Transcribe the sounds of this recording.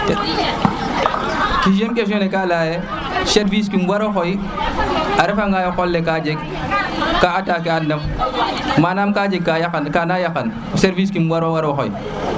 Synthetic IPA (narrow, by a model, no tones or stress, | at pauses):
kid͡ʒemkeʃ̬onekalaːje | seɾvis̬kinɡwaɾoxɔj | aɾefaŋɡajoxɔlːekad͡ʒeɡ̚ | kaataːkɛanːem | manamkaːd͡ʒeɡ̚kːajakankanajakan | seɾvis̬kimɡwaɾowaɾoxɔ̰j